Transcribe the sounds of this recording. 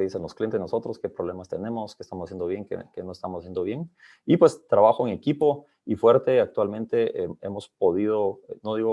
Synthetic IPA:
ðisenloskljent̪enoso̞t̪ɾoske̞pɾoβlemast̪e̞nemoskest̪amosasjend̪oβje̞ŋkḛkenoest̪amosasje̞nd̪oβjeŋ | ipwe̞st̪ɾaβaxoeŋe̞kipo̞ | ifwe̞ɾt̪e̞ak̚t̪walmẽ̞nt̪e̞eemospo̞ðið̞onoðiɣo

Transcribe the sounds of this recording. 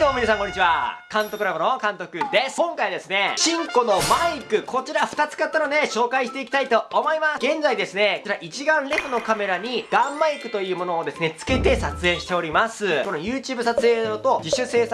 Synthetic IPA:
d̪oːominasãŋko̞ɲːit͡ɕiβakãnt̪o̞kɯɾabɯnokãnt̪o̞kɯ̟d̪e̞skõ̞ŋkaid̪e̞sɨne̞ɕĩŋko̞no̞maikɯ̟kʰo̞t͡ɕiɾaɸɯ̟̥t̪at͡sɨ̥kat̪ːɨnone̞ɕo̞ːkaiɕi̥t̪e̞ikʲit̪ait̪o̞ːmo̞imasɡẽ̞nd͡zaid̪e̞sɨne̞kot͡ɕiɾaʔit͡ɕiɡãnɾe̞ɸɯ̟no̞kame̞ɾaɲ̟iɡ̥ãmːaikɯ̟t̪o̞jɯ̟ːmo̞no̞ːd̪e̞sɨne̞t͡sɨ̥ke̞t̪e̞sat͡sɨẽ̞ɰ̃ɕit̪e̞o̞ɾʲimasɨko̞nojɯːt͡ɕɨːbɯ̟sat͡sɨe̞ːot̪o̞d͡ʑiɕɨse̞ːsa

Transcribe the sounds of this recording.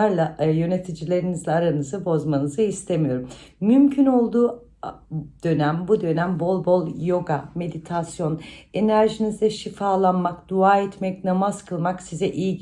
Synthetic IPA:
aɾlˠajø̞ne̞t̪ʰid͡ʒilʲe̞ɾinizlʲɛaɾanɯzɯbo̞zmanɯzɯist̪ʰe̞mijo̞ɾummːymcʰyno̞lˠd̪uː | d̪̥ø̞næmbud̪ø̞næmbo̞lˠbo̞lˠjo̞ɡame̞d̪it̪ʰasjo̞ne̞næɾʒinizd̪ɛʃifaːlˠanmakd̪uaːɛt̪mɛcnamazkʰɯlˠmaksizɛʔij

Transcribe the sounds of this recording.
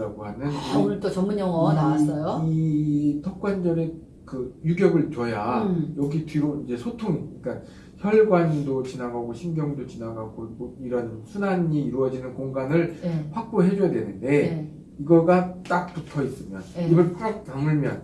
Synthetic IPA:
aɡohanɯniuɭtot͡ɕʌmunjʌŋwʌanaas͈ʌjoitʰʌk̚k͈wand͡ʑʌɾe | kɯjuɡjʌɡɯɭt͡ɕʌjajʌɡitɥiɾoid͡ʑe̞sʰotʰoŋiɭk͈an | çjʌɭɡwandot͡ɕinaɡaɡoɕʰimɡjʌŋdot͡ɕinaɡaɡoiɡoiɾʌnsʰunaɲiːɾuʌd͡ʑinɯnkoŋɡanɯɭɸwak̚p͈oɦe̞d͡ʑojadwe̞nɯnde̞ | iɡʌɡat͈ak̚t͈otʰʌis͈ɯmjʌ̰nibɯɭk͈ak̚t͈aŋɯɭmjʌ̰n

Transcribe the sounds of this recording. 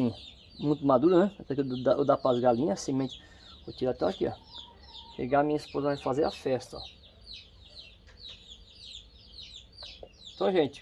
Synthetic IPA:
ĩ | mũj̃t̪̬ʊmad̪uɾʊnɛt̪ɛk̪d̪aed̪apɾɐzɡalĩɲɐsimẽnt͡ʃɪ̥ | ot͡ʃ̪iɾat̪ɛ̃wakia̰ | ʃḛɡaɐmĩɲɐispozɐafazeɾafɛst̪ɐ̰ | ẽt̪ɐ̃w̃ʒẽt͡ʃɪ̥

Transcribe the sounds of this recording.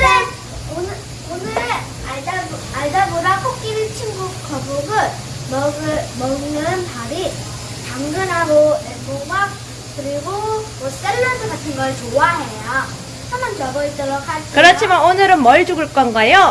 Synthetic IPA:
ne | onɯ | onɯɾe | aɭda | aɭdabodakʰok̚k͈iɾit͡ɕʰinɡuk̚k͈ʌbuɡɯɭ | mʌɡɯmʌŋːɯɯnpaɾi | t͡ɕaŋɡɯnɦaɾoeboɡa | kɯɾiɡomost͈eɭːʌdʰɯɡatʰɯnɡʌt͡ɕowaɦe̞ja | t͡ɕʰʌmɯnt͡ɕʌbʌit͈ʌɾʌkʰaɭs͈kɯɾʌt͡ɕt͡ɕʰimanonɯɾɯnmʌɭd͡ʑuɡɯɭk͈ʌnɡajo

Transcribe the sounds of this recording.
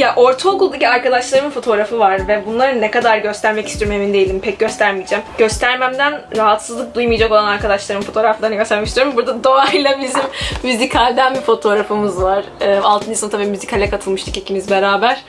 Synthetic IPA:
jaʔo̞ɾt̪ʰaokulˠd̪aciaɾkad̪aʃlˠaɾɯnfo̞t̪ʰo̞ɾafɯvaɾvɛbunlˠaɾɯnːɛkad̪aɾɟø̞st̪æɾmɛcist̪ʰioɾmemind̪e̞jilʲimpʰɛc̚ɟø̞st̪ʰæɾmijd͡ʒæmɟø̞st̪ʰæɾmæmd̪ænɾaɦat̪sɯzlˠɯk̚d̪ujmɯjd͡ʒako̞lˠanaɾkad̪aʃlˠaɾɯnfo̞t̪ʰo̞ːɾaflˠaɾnɡɟø̞sæɾmɛcsijoɾmbuɾd̪ad̪oailˠabizimːyzikʰalʲd̪ænbifo̞t̪ʰo̞ɾafɯmɯzvaɾ̥ɯːalˠt̪ʰɯnːsont̪ʰabiːmyzikʰalʲɛkʰat̪ʰɯlˠmɯʃt̪ʰɯcicʰimizbe̞ɾaːbæɾ̥

